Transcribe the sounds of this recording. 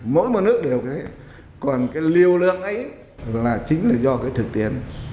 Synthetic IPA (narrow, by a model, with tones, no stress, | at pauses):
mo̰˧˥jm˨˩nɨ˦˥ək̚ɗe˨˩wkʰe˨˦ | kɔ˨˩nkaː˨˦jli˧əwlɨ̰˧˨əŋʔə˨˦j | laː˨˩t͡ɕï˨˦ŋ̟laː˨˩zɔ˧kaː˨˦jt̪ʰɨ˨˩k̚t̪i˧˩ən